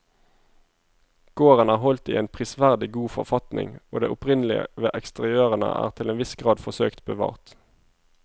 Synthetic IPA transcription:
ɡ̥oːʁənæːʁhɔlt̪ḭːeːnpʰʁɪsʋæʁd̪ɪɡuːfɔʁfɑt̪nʔɪ̰ŋoːd̪ḛːʔʊpʁɪnəlɪə̰ʋeːʔɛkst̪əʁɪøːʁənə̰ʔæ̰ːʁt̪ʰɪleːnʋɪsɡʁɑːd̪fɔʁsø̰ːkt̪bəʋɑ̰ːʁt̪

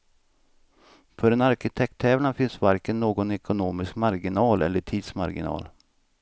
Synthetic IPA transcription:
fœɖɛnaɾkɪt̪ʰɛk̚t̪ʰːɛːvlanfɪnsvaɾkənːoːɡɔnɛkʊnoːmɪskmaɾɡɪnɑːlɛ̰lːəʈʰiːd̪sma̰ɾɡɪ̰nɑ̰ːl

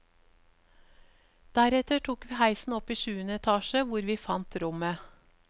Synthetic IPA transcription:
d̪̥æɾɛt̪əʈʰuːkʋiːhæɪsn̩ɔpiːʃʉːənəɛt̪ʰɑːʃəʋʊɾʋiːfɑnt̪ɾʊmə

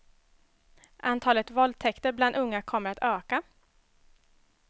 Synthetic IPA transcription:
ʔant̪ʰɑːlət̪vɔld̪̚t̪ʰɛkt̪əɾbland̪ɵŋːakʰɔmːəɾat̪øːka

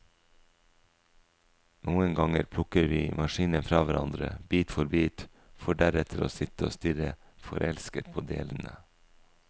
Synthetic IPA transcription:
nuːənɡɑŋəɾpʰlʊkəɾʋiːmɑʃiːnənfɾɑːʋæɾɑnd̪ɾə̰biːt̪fɔɾbiːt̪ | foɖæɾɛt̪ʰəɾo̰ːsɪt̪əo̰ːst̪ʏɾə | fɔɾʔɛlskət̪̚pʰoːd̪ḛːln̩ə̰

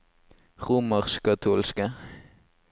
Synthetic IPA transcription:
ʁuːmɑʁʃkɑt̪ʰuːlskə

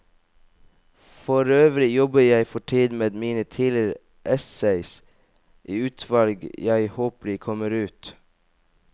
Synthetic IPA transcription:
fɔɾøːʋɾɪjɔbəjæɪfɔʈʰiːd̪meːd̪miːnət̪ʰiːləɾ | ʔɛsæɪs | ʔiːʉːt̪ʰʋɑlɡjæɪhoːpəlɪkʰɔməɾʉːt̪

